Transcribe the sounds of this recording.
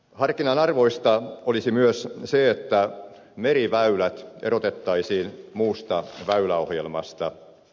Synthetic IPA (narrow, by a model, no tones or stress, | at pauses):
hɑrkinɑnɑrʋo̞ist̪ɑolisimyøsseet̪ːæ | meɾiʋæylæt̪eɾot̪et̪ːɑisiːnmuːst̪ɑʋæylæo̞hjelmɑ̰st̪ɑ